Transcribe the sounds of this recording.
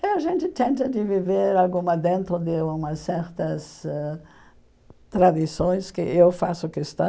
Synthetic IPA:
ɛaʒẽnt̪ɪt̪ẽnt̪ɐd̪ɪviveɾalɡũmɐd̪ẽnt̪ɾʊd̪ɪũmɐsɛɾt̪ɐsɛ | t̪ɾad̪isõj̃skɪ̰ʔewfasʊkest̪ɐ̃

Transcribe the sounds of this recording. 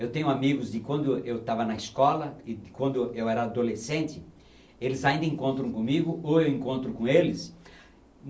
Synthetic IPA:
ewt̪ẽɲʊamiɡʊzd͡ʒ̪ɪkwɐ̃nd̪ʊewt̪avɐnɐiskɔlɐɪd̪ɪkwɐ̃nd̪ʊewɛɾɐːd̪olesẽnt͡ʃ̪ɪ | elɪzaĩnd̪ɐĩkõnt̪ɾɐ̃w̃kõmiɡʊoewẽŋkõnt̪ɾʊkõelɪs

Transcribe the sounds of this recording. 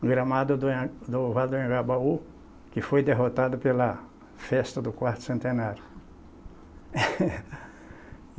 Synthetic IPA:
ɡɾɐmad̪ʊd̪ʊ̃d̪ʊvad̪uẽɡabau | kɪfojd̪eɦot̪ad̪ʊpelɐ | fɛst̪ɐd̪ʊkwaɾt̪ʊ̥sẽnt̪enaɾjʊ

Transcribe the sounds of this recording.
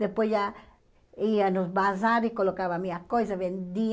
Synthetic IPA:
d̪epwesja | ianozbaz̬aɾikolokaβamiakojsaβend̪i

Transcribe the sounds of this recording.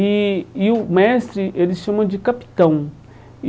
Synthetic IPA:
iʊmɛst̪ɾiʔelɪʃɐ̃mɐ̃d͡ʒɪkapi̥t̪ɐ̃w̃

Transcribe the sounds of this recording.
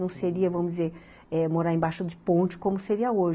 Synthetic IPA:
nɐ̃w̃seɾiɐvɐ̃mʊzd͡ʒɪzeɾ | ɛmoɾaɾẽbajʃʊd̪ɪpõt͡ʃɪ̥kõmʊseɾiɐoʒ

